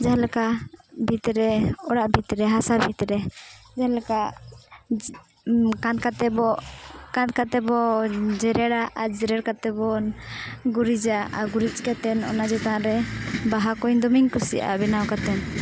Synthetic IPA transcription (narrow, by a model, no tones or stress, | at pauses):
d͡ʒaɦlɛkabʱit̪ɾɛɔɽaʔbʱit̪ɾɛɦasabʱit̪ɾɛd͡ʒaɦlɛka | kãt̪̚kat̪ɛbɔkãt̪kat̪ɛbɔd͡ʒɛɾɛɽaʔad͡ʒɛɾɛɽkat̪ɛbɔnɡuɾid͡ʒaʔaɡuɾit͡ʃkat̪ɛnɔ̰nad͡ʒɔt̪aãɾɛbaɦakɔɲd̪ɔmiŋkusḭʔa̰bɛnawkat̪ɛn